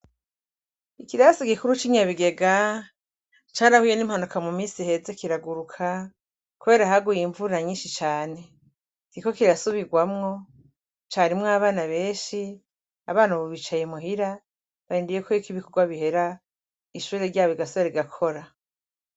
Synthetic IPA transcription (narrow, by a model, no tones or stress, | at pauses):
ikiɾasiɡikuɾut͡ʃiɲaβiɡe̞ɡa | t͡ʃaːɾahujenim̥hanukʰamumiːsihe̞zekiɾaɡuɾukʰa | kuβe̞ːɾaɦaɡujiɱvuɾaɲiːnʃit͡ʃaːne̞ | kiko̞kiɾasuβiɡwamŋo̞ | t͡ʃaːɾimŋaːβaːnaβe̞ːʃi | a̰βaːnaβoβit͡ʃajemuhiɾa | βaiːndijekojikiβikoɡwaβihe̞ɾa | iʃuːɾe̞ɾɟaːβoiɡasoeɾiɡakʰo̞ɾa